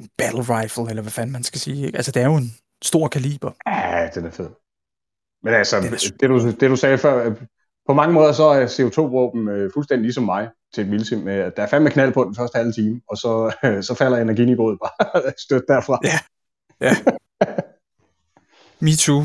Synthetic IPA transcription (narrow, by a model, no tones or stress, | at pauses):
b̥æd̥l̩ʁɑ̈ɪfl̩elɐʋæfænmænsɡ̥æsiːeɡ̥ælsəd̥e̝æɐjo̝e̝n | sd̥o̝ɐ̰kʰælḭːb̥ɐæd̥enæɐfe̝ð̰ˠ | menælsəd̥eɾ̥ud̥e̝ɾ̥usɛːfɶɐ̰ | pʰɒ̽mɑ̈ŋəmɔ̽ːðˠɐs̬ɒ̽æɐse̝o̝t͡sʰo̝̰ːbʁɔːb̥n̩øfulsd̥endilisɒ̽mːɑ̈ɪt͡sʰe̝d̥milsimmeæd̥ɑ̈æɐfænmːekʰnæl̰pʰɒ̽d̥en̩fɶɐd̥əhælt͡sʰiːmɒ̽sɒ̽sɒ̽fæl̰ɐjɑ̈næɐɡinib̥o̝ːð̩ˠb̥ɑ̈ːsd̥ød̥̚ːæɐfʁɑ̈jæ | jæ | mit͡sʰu